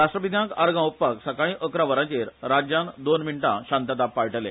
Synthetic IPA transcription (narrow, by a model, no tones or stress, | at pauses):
ɾaʂʈɾəpid̪jãkaɾɡãuppaksakaɭ̃ĩʔəkɾaʋəɾãt͡ɕeɾɾad͡ʑjãnd̪onmiɳʈãɕãnt̪at̪apːaɭʈəlḛ